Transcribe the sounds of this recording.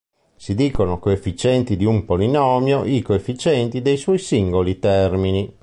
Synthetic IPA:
sid̪iːkonokoefːit͡ʃɛnt̪id̪iumpolinɔːmjoʔikoefːit͡ʃɛnt̪id̪ejswɔjsiŋɡolit̪ɛrmini

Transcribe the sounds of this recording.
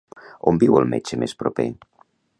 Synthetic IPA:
ombiwəlˠmet͡ʃəmʔespɾope

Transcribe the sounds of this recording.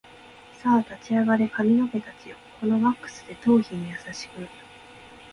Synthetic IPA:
saːt̪at͡ɕiaɡaɾe̞kamʲino̞ke̞t̪at͡ɕijoko̞no̞βakːɯ̥sɨ̥d̪e̞t̪o̞ːçiɲ̟ijasaɕi̥kɯ̟

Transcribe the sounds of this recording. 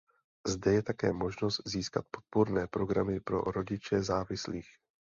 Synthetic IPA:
zdɛjɛt̪akɛːmo̞ʒno̞st̪ziːska̰t̪̚po̞t̪̚poɾnɛːpɾo̞ɡɾamɪpɾo̞̰ɾo̞ɟɪt͡ʃɛzaːvɪsliːx

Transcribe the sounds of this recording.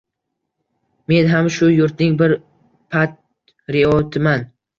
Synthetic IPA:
me̞nɦamʃʊjʊɾt̪nɪŋbɪɾ | pʰat̪̚ | ɾɪɒt̪ʰɪman

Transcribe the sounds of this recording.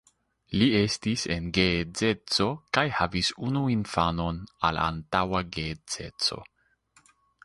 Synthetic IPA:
lie̞stise̞nɡed͡ze̞t͡so̞kajhavisunuinfano̞na̰la̰ntawaɡet͡sḛt͡so̞̰

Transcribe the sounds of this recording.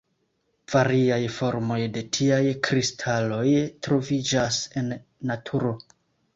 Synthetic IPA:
v̥aɾiajfo̞ɾmo̞jde̞tʰiajkɾistʰalo̞jtɾo̞vid͡ʒase̞nːatʰuɾo̞

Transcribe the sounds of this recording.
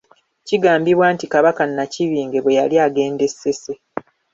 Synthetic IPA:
ciɡaːmbiβwaːntikaβakanːaciβiːŋɡe̞βwe̞jaliaɡe̞ːnde̞se̞se̞

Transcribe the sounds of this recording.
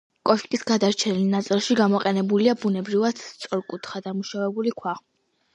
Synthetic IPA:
kʼɔʃkʼisɡad̪aɾt͡ʃʰɛnilnat̪sʼilˠʃiɡamɔqʼɛnɛbuliabunɛbɾivad̪̥st̪sʼɔɾkʼut̪ʰχad̪amuʃavɛbulikʰwa

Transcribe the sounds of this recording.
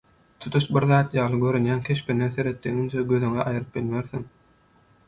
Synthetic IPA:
t̪ʰu̥t̪ʰuʃbiɾðɑːt̪jɑːlˠɯɡø̞ɾynjæːnkʲʰe̞ʃpʰeneθe̞ɾe̞t̪ːeŋynt͡ʃʰeɡøðyŋeʔɑjɯɾɯp̚bilmeɾθiŋ

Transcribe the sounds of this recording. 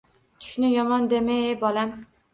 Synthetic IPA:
t͡ʃ̪ʰʊ̥ʃnɪjɒmɒnd̪emɪbɒlam

